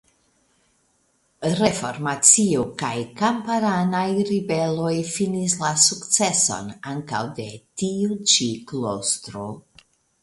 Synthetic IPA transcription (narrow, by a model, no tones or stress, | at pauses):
ɾefo̞ɾmat͡siukajkampaɾanajɾibe̞lo̞jfinislasukt͡se̞so̞̰naŋka̰wde̞tiut͡ʃiklo̰st̪ɾo